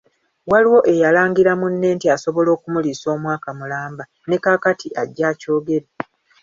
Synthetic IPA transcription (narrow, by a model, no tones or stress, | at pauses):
waliwo̞ʔe̞jalaːŋɡiɾamunːe̞ːntiaso̞βo̞lo̞ːkumuliso̞ːmwaːkamulaːmba | ne̞kaːkatʰiʔaɟːaːco̞ːɡe̞ɾe